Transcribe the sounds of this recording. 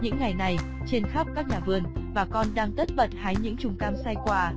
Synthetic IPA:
ɲɨ̰˧˥ŋːa˨˩jna˨˩j | t͡ɕe˧nxa˦˥p̚kaː˦˥k̚ɲaː˨˩vɨ˧ənvaː˨˩kɔ˧nɗaː˧ŋt̪ə˦˥t̚və˨˩t̚haː˨˦jɲɨ̰˧˥ŋt͡ɕʊ˨˩ŋ͡mkaː˧msa˧jkwaː˧

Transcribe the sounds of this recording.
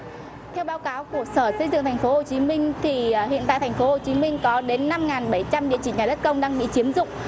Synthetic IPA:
t̪ʰɛ˧wɓaː˨˦wkaː˨˦wku˧˩əsəː˧˩sə˧ŋzɨ̰˧˨ŋt̪ʰjŋ̟fo˨˦ho˨˩t͡ɕi˨˦mï˧ŋ̟t̪ʰi˨˩ɦḭ˧˨nt̪a̰ː˧˨t̪̟ʰfo˨˦ho˨˩t͡ɕi˨˦mï˧ŋ̟kɔ˨˦ɗe˨˦nːa˧mŋaː˨˩nɓə˧˩jt͡ɕa˧mɗḭ˧ət͡ɕï˧˩ɲaː˨˩ɗə˦˥t̚kə˧wŋ͡mɗaː˧ŋɓḭ˧˨t͡ɕi˨˦əmzʊ̰˧˨ŋ͡m

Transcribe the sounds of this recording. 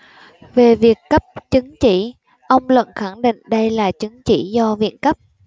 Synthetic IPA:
ve˨˩vi˨˩əkːə˦˥p̚t͡ɕɨ˨˦ŋt͡ɕi˧˩ | ʔə˧wŋ͡mlwə̰˧˨nxa˧˩ŋɗḭ˧˨ŋ̟ɗə˧jlaː˨˩t͡ɕɨ˨˦ŋt͡ɕi˧˩zɔ˧vḭ˧˨ənkə˦˥p̚

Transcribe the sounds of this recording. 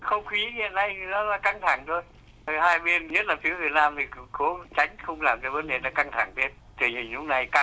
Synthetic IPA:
xə˧wŋ͡mxi˨˦ŋḭ˧˨ənːa˧jnɔ˨˦laː˨˩ka˧ŋt̪ʰa˧˩ŋt̪ʰo˧j | haː˧jɓe˧nŋi˦˥t̚laː˨˩fi˨˦əvi˨˩ət̚naː˧mt̪ʰi˨˩˨ko˨˦t͡ɕa˨˦jŋ̟xə˧wŋ͡mlaː˨˩mt͡ɕɔ˧wvə˨˦nɗe˨˩naː˨˦ka˧ŋt̪ʰa˧˩ŋt̪ʰe˧n | t̪ɨ˨˩ɲi˨˩ŋ̟lʊ̰˨˦˥k͡p̚na˧˩jka˧

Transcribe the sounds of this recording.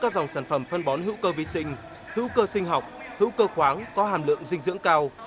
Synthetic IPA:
kːaː˦˥k̚za˨˩wŋ͡msaː˧˩nfə˧˩mfə˧nɓɔ˨˦nɦḭ˧˥wkəː˧vi˨˦sï˧ŋ̟ | hḭ˧˥wkəː˧sï˧ŋ̟ɦa˨˩wk͡p̚hḭ˧˥wkəː˧xwaː˨˦ŋkɔ˨˦haː˨˩mlɨ̰˧˨əŋzï˧ŋ̟zɨ̰˧˥ŋkaː˧w

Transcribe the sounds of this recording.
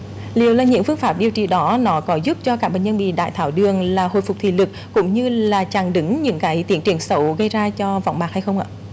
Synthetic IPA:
li˨˩əwlaː˨˩ɲɨ̰˧˥ŋfɨ˧əŋfaː˦˥p̚ɗi˨˩əwt͡ɕḭ˧˨ɗɔ˨˦nɔ˨˦kɔ˨˦zu˦˥p̚t͡ɕɔ˧kaː˦˥kɓḛ˧˨ɲə˧nɓḭ˧˨ɗa̰ː˧˨jt̪ʰaː˧˩wɗɨ˨˩əŋlaː˨˩ho̰˧˨jfʊ˨˩k͡p̚t̪ʰḭ˧˨lɨ˨˩k̚kʊ̰˧˥ŋ͡mɲɨ˧laː˨˩t͡ɕaː˨˩ŋɗɨ˨˦ŋɲɨ̰˧˥ŋkaː˨˦jt̪i˨˦ənt͡ɕ̪i˨˩ənsə˨˦wɣə˧jzaː˧t͡ɕɔ˧va̰˧˨wŋ͡mmaː˨˩k̚ha˧jxə˧wŋ͡mʔa̰ː˧˨

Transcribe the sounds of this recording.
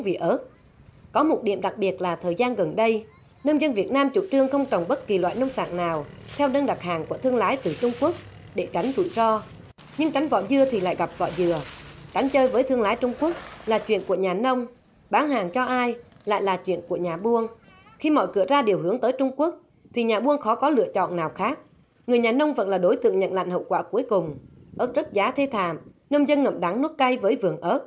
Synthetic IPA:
ŋvḭ˨ʔəː˦˥t̚ | kɔ˨˦mo˨˩t̚ɗḭ˧˩˨əmɗa˨˩k̚ɓi˨˩ət̚laː˨˩t̪ʰəː˨˩jzaː˧nɣə˨˩nɗə˧j | nə˧nzə˧nvi˨˩ət̚naː˧mt͡ɕṵ˧˩t͡ɕɨ˧əŋxə˧wŋ͡mt͡ɕə˨˩wŋ͡mɓə˦˥t̚ki˨˩lwa̰ː˧˨jnə˧wŋ͡msa̰ː˧˨ŋnaː˨˩wt̪ʰɛ˧wnə˧nɗa˨˩k̚haː˨˩ŋku˧˩ət̪ʰɨ˧əŋlaː˨˦jt̪ɨ˨˩t͡ɕʊ˧ŋ͡mku˦˥ək̚ | ɗe˧˩ka˨˦jŋ̟t̪ṵ˧˨jzɔ˧ | ɲɨ˧ŋt͡ɕa˨˦jŋ̟vɔ̰˧˨zɨ˧ət̪ʰi˨˩la̰ː˧˨jɣa˨˩p̚vɔ̰˧˨zɨ˧˩ət͡ɕa˨˦jŋ̟t͡ɕəː˧jvəː˨˦jt̪ʰɨ˧əŋlaː˨˦jt͡ɕʊ˧ŋ͡mku˦˥ək̚laː˨˩t͡ɕwḭ˧˨ənku˧˩əɲaː˨˩nə˧wŋ͡m | ɓaː˨˦nhaː˨˩ŋt͡ɕɔ˧ʔaː˧j | la̰ː˧˨jlaː˨˩t͡ɕwḭ˧˨ənku˧˩əɲaː˨˩ɓu˧əŋ | xi˧mɔ̰˧˨jkɨ̰˧˩əzaː˧ɗi˨˩əwɦɨ˨˦əŋt̪əː˨˦jt͡ɕʊ˧ŋ͡mku˦˥ək̚ | t̪ʰi˨˩ɲaː˨˩ɓu˧əŋxɔ˨˦kɔ˨˦lɨ̰˧ət͡ɕɔ̰˧˨nnaː˨˩wxaː˦˥k̚ | ŋɨ˨˩əjɲaː˨˩nə˧wŋ͡mvə̰˧˥nlaː˨˩ɗo˨˦jt̪ɨ̰˧˨əŋɲə̰˧˨nla̰˧˨jn̟ɦə̰˧˨wkwaː˧˩ku˨˦əjkʊ˨˩ŋ͡mʔəː˦˥t̚zə˦˥t̚zaː˨˦t̪ʰe˧t̪ʰa̰ː˧˨m | nə˧wŋ͡mzə˧nŋə̰˧˨mɗa˨˦ŋnu˦˥k̚ka˧jvəː˨˦jvɨ˨˩əŋʔəː˦˥t̚

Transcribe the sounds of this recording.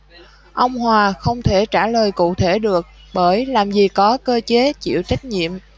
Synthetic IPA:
ʔə˧wŋ͡mɦwaː˨˩xə˧wŋ͡mt̪ʰe˧˩t͡ɕaː˧˩ləː˨˩jkṵ˧˨t̪ʰe˧˩ɗɨ˨˩ək̚ | ɓəː˧˩jlaː˨˩mzi˨˩kɔ˨˦kəː˧t͡ɕe˨˦t͡ɕḭ˧˨əwt͡ɕa˦˥jk̟̚ɲḭ˧˨əm

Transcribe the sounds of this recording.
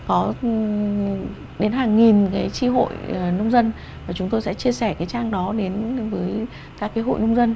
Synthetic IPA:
kɔ˨˦ | ɗe˨˦nɦaː˨˩ŋːi˨˩nkaː˨˦jt͡ɕi˧ɦo̰˧˨jəː˨˩nə˧wŋ͡mzə˧n | vaː˨˩t͡ɕʊ˨˦ŋ͡mt̪o˧jsɛ̰˧˥t͡ɕi˧əsɛ˧˩kaː˨˦jt͡ɕaː˧ŋɗɔ˨˦ɗe˨˦nvəː˨˦j | kaː˦˥kːaː˨˦ɦo̰˧˨jɲʊ˧wŋ͡mzə˧n

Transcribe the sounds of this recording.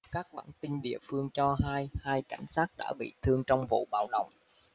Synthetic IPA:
kaː˦˥k̚ɓaː˧˩nt̪i˧nɗḭ˧˨əfɨ˧əŋt͡ɕɔ˧ɦaː˧jhaː˧jka˧˩jŋ̟saː˦˥t̚ɗa̰ː˧˥ɓḭ˧˨t̪ʰɨ˧əŋt͡ɕɔ˧wŋ͡mvṵ˧˨ɓaː˧˩wɗə̰˧˨wŋ͡m

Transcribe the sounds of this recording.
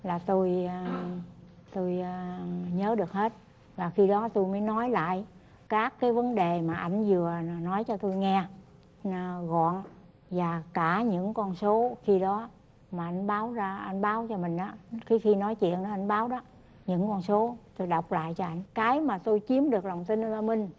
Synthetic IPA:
laː˨˩t̪o˧j | t̪o˧jɲəː˨˦ɗɨ˨˩ək̚he˦˥t̚ | vaː˨˩xi˧ɗɔ˨˦t̪o˧jməː˨˦jnɔ˨˦jla̰ː˧˨j | kaː˦˥kːaː˨˦jvə˨˦nɗe˨˩maː˨˩ʔa˧˩jŋ̟zɨ˨˩ə˨nɔ˨˦jt͡ɕɔ˧t̪o˧jŋɛ˧˨˩ | ɣɔ̰˧˨ən | vaː˨˩kaː˧˩ɲɨ̰˧˥ŋkɔ˧nso˨˦xi˧ɗɔ˨˦ | maː˨˩ʔa˧jŋ̟ɓaː˨˦wzaː˧ʔa˧jŋ̟ɓaː˨˦wt͡ɕɔ˧mï˨˩ŋ̟ʔaː˨˦xi˨˦xi˧nɔ˨˦jt͡ɕwḭ˧˨ənɗɔ˨˦a˧˩jŋ̟ɓaː˨˦wɗɔ˨˦ | ɲɨ̰˧˥ŋkɔ˧nso˨˦t̪o˧jɗa˨˩wk͡p̚la̰ː˧˨jt͡ɕɔ˧ʔa˧jŋ̟kaː˨˦jmaː˨˩t̪o˧jt͡ɕi˨˦əmɗɨ˨˩ək̚la˨˩wŋ͡mt̪i˧n̟ʔə˧laː˧mï˧ŋ̟

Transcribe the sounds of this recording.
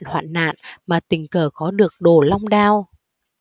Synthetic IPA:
nhwa̰ː˧˨nːa̰ː˧˨nmaː˨˩t̪ï˨˩ŋ̟kəː˨˩kɔ˨˦ɗɨ˨˩ək̚ɗo˨˩la˧wŋ͡mɗaː˧w

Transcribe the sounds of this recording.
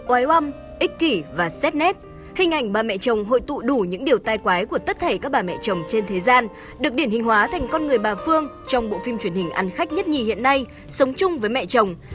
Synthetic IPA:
ʔwaː˨˦jwa˧m | ʔï˦˥k̟̚ki˧˩vaː˨˩sɛ˦˥t̚nɛ˦˥t̚ | hï˨˩ŋ̟ʔa˨˩jŋ̟ɓaː˨˩mɛ̰˧˨t͡ɕə˨˩wŋ͡mɦo̰˧˨jt̪ṵ˧˨ɗu˧˩ɲɨ̰˧˥ŋɗi˨˩əwt̪aː˧jkwaː˨˦jku˧˩ət̪ə˦˥t̚t̪ʰe˧˩kaː˦˥k̚ɓaː˨˩mɛ̰˧˨t͡ɕə˨˩wŋ͡mt͡ɕe˧nt̪ʰe˨˦zaː˧n | ɗɨ˨˩ək̚ɗi˧˩ənhï˨˩ŋ̟hɦwaː˨˦t̪ʰa˨˩jŋ̟kɔ˧nŋɨ˨˩əjɓaː˨˩fɨ˧əŋ | t͡ɕɔ˧wŋ͡mɓo̰˧˨fi˧mt͡ɕwi˧˩ənhï˨˩ŋ̟ʔa˨˧nxa˦˥k̟̚ɲə˦˥t̚ɲi˨˩hḭ˧˨ənːa˧j | sə˨˦wŋ͡mt͡ɕʊ˧ŋ͡mvəː˨˦jmɛ̰˧˨t͡ɕə˨˩wŋ͡m

